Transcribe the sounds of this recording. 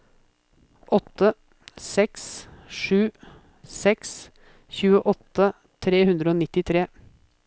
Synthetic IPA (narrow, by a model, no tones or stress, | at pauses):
ʔɔt̪ːə | sɛksʂʉː | sɛks | çʉːəʔɔt̪ːə | t̪ʰɾeːhʉnd̪ɾəoːnɪt̪ːɪt̪ʰɾeː